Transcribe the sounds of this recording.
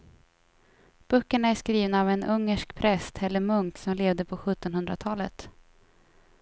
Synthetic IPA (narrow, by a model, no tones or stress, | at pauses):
b̥ɵːkːəɳaæʂkɾiːvnaːvɛnʔɵŋːəʂkpʰɾɛst̪ʰɛlːəɾmɵŋkt̪sɔmleːvd̪əpʰɔɧɵt̪ːɔnhɵnd̪ɾat̪ʰɑːlə̰t̪